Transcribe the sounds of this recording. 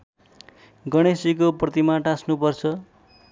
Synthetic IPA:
ɡʌɽ̃esik̬oprʌt̪imaʈãsnupʌrt͡sʰʌ

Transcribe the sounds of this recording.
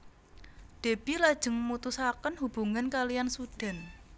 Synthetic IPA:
d̪̥e̤b̥ilad̥ʒ̥ə̤ŋmut̪usakənɦub̥ṳŋankalijansud̥a̤n

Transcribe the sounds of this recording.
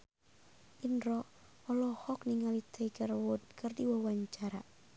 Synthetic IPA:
ʔinɾɔ | ɔlɔhɔkniŋalit̪ʰəikərwʊd̪̚kɨrdiwawaɲt͡ʃaɾa̰

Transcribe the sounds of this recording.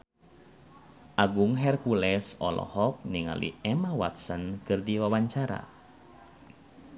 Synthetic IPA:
ʔaɡuŋɦɛrkulɛsɔlɔ̰hɔk̚niŋa̰lḭɛmawa̰t̪̚sənkɨrdiwawaɲt͡ʃaɾa̰

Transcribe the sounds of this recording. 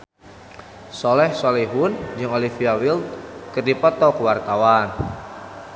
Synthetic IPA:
sɔlɛhsɔlɛɦund͡ʒɨŋolifiawilt̪̚kɨrdipɔt̪ɔkəwart̪awan

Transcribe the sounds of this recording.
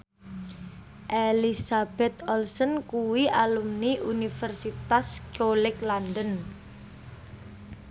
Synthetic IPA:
ʔelisab̥ɛt̪ɔlsɔnkuwiʔalumniʔunifərsit̪ast͡ʃolɪklandən

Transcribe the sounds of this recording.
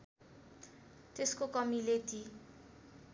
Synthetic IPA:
t̪eskokʌmilet̪i

